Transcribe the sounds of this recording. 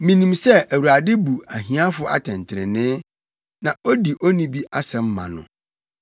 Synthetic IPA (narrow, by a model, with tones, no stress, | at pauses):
mĩ˨nĩ˨msɛ˦ʔæ˨wu˨ɾa˨dɪ˦bu˨a˨ɦĩ˨˦a˦fʊ˨˦ʔa̰˨tʰɛ̃˨n˨tʰɪ˨ɾɪ̰˨nɪ̃˦ | nã˨o˦di˨ʔo˦nĩ˦bi˦ʔa˦sɛ̃˨m̩˦mã̰˨nʊ̰̃˨